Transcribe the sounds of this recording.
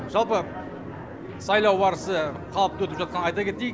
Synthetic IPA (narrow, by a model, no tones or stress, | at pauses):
ʒɑlˠpə | sɑjlˠɑwbɑɾəsə | qʰɑlˠəp̚t̪wɵt̪ɪpʒɑt̪̚qʰɑnəɑjt̪ɑkʲe̞t̪ːej